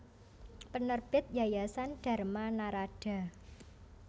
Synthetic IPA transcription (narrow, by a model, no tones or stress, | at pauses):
pənərb̥ɪt̪̚jajasand̥ä̤rmanaɾaɖ̥a̤